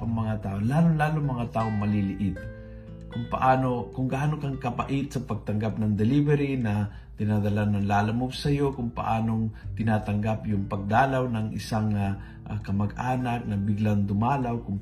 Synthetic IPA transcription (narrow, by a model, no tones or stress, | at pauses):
ɐŋmɐŋat̪aːʔolaːloŋlaːloŋmɐŋat̪aːʔoŋmɐlilɪʔɪt̪̚ | kʊŋpɐ̰ʔaːno̞kʊŋɡaʔaːnokɐŋkɐpɐ̰ʔɪt̪̚sɐpɐɡ̚t̪ɐŋɡap̚nɐŋd̪ɛlibɛɾinɐ | t̪ɪnad̪ɐlanːɐŋlaːlɐmobsɐjo̞kʊŋpɐ̰ʔaːnoŋt̪ɪnaːt̪ɐŋɡapjʊŋpɐɡ̚d̪aːlawnɐŋʔɪ̰saŋ | ʔkɐmɐɡʔaːnak̚nɐbɪɡlaŋd̪ʊmaːlawkʊŋ